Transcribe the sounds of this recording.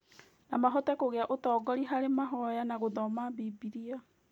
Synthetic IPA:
namaɦɔtɛkoɣeaʔotɔːɡɔɾiɦaɾemaɦɔjanaɣoðɔmabibiɾia

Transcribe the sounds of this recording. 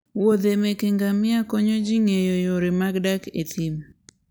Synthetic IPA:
wod̪emekeŋɡamɪakoɲod͡ʒiŋejojoɾɪmaɡdaket̪im

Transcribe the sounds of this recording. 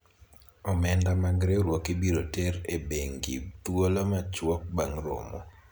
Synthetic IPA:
ɔmɛndamaɡɾeɾwɔkibiɾotɛɾebeŋɡḭt̪wolomat͡ʃwɔk̚ba̰ŋɾo̰mɔ̰

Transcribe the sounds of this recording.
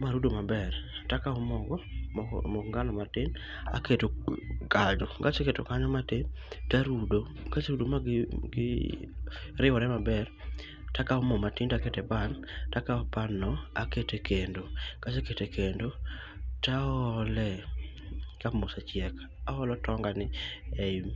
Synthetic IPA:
maɾudomabɛrtakaɔmɔɡɔmɔkŋɡanɔmatɪn | a̰ketokaɲɔɡat͡ʃeketo̰kaɲɔmatetaɾudo | ɡat͡ʃɾudomaɡɪ | ɾɪwɔɾɛmabɛɾ | takaɔmɔmatɪntaketɛban | takaɔpanɔaketekʰendoɡ̥at͡ʃeketekʰendo | taɔlɛ | kapmʊsat͡ʃɪɛk | ahɔlɔtɔŋɡanɪeim

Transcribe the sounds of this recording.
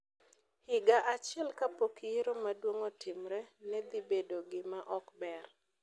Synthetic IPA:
hɪɡaʔat͡ʃjɛlkapokieɾomadwoŋotʰɪmɾɛnɛd̪ibedoɡɪmaʔɔkbɛr

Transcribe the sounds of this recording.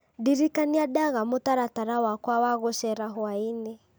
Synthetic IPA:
diɾikaniadaɣamʊtaɾataɾawakwawaɣɔʃɛɾaɦwainɛ

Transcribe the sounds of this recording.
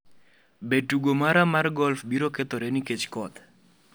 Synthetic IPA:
betuɡomaɾamarɡɔlfbiɾoket̪oɾeniket͡ʃkɔt̪

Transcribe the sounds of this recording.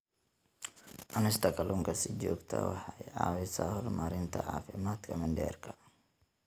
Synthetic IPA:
ʔɐnɪst̪ʰɐkʰɐlʔʊŋkʰɐsɪd͡ʒɔːɡt̪ʰɐ̰wɑħɑjɑːwɪsahɔrmaɾɪnt̪ʰɐ̰ʕɑ̰ːfɪmaːd̪kʰɐmɐnɖɛ̰ːrkʰɐ̥

